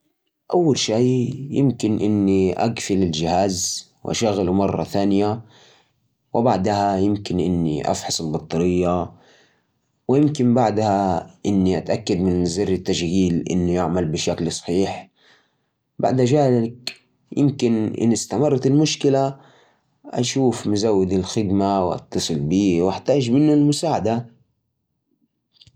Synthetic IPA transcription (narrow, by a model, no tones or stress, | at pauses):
ʔawːalʃaːjɪmkɪnʔɪnːiʔa̰ɡfɪlɪld͡ʒɪhaːz | wʔa̰ʃaɣalumɑrˤːɑ̰θaːnɪja | wɪbaʕd̪hajɪmkɪnʔɪ̰nːḭʔa̰fħɑsˤɪlbɑt̪ˤːɑɾɪjːa | wɪjɪmkɪmbaʕd̪haʔɪnːiʔat̪ʔakːad̪mɪnzɪɾːɪt̪ːaʃɣiːlʔɪ̰nːujaʕmalbɪʃaklsˤħiːħ | ba̰ʕd̪ʔaʒaːlɪk | jɪ̰mkɪnʔɪ̰nːɪst̪amɑrˤːt̪ɪlmʊʃkɪla | ʔa̰ʃuːfmʊzawːɪd̪ɪlxɪd̪mawʔɑ̰t̪ːɑsˤɨlbiːwʔɪħt̪aːʒmɪnːʊlmʊsaːʕad̪a